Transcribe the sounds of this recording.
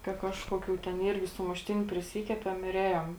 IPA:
kɐ ˈkɑːʃkoːˌkʲuː tʲɛn ˈiːrʲɡʲɪ sʊmʊʃʲˈtʲɪnʲʊ pʲrʲɪˈsʲiːkʲɛpʲɛm ɪr ˈeːjoːm

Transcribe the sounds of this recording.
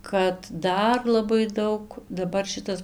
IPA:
kɐt ˈdɐr lˠɐˈbɐɪ ˈdɐʊk dɐˈbɐr ˈʃʲɪtɐs

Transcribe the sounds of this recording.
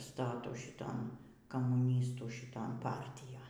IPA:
ˈstɑːtuː ʃʲɪˈtoːn kɐmuːˈnʲiːstuː ʃʲɪˈtoːn ˈpɐrʲtʲɪjoːn

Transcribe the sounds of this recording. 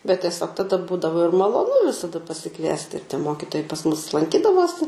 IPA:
bʲɛt tʲiɛˈsʲoːk tɐˈdɐ ˈbuːdɐʋoː ɪr mɐlˠoːˈnʊ ʋʲɪsɐˈdɐ pɐsʲɪˈkʋʲiɛsʲtʲɪ ɪr tʲiɛ ˈmoːkʲɪtoːjɛɪ pɐs mʊs lˠɐŋʲˈkʲiːdɐʋoːsʲɪ

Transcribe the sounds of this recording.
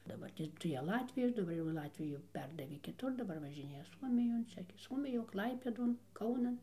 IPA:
dɐˈbɐrʲtʲeːs tɐɪ ˈjæː ˈlˠɑːtʲʋʲɪjɛs dɐˈbɐr jɛʊ ˈlˠɑːtʲʋʲɪjʊ ˈpʲɛrdɐʋʲeː kʲɪˈtʊr dɐˈbɐr ʋɐʒʲɪˈnʲeːjɛ ˈsuɔmʲɪjoːn ˈt͡ʃʲɛ ɡʲɪ ˈsuɔmʲɪjoːn ˈklˠɐɪpʲeːdoːn ˈkɐʊnɐn

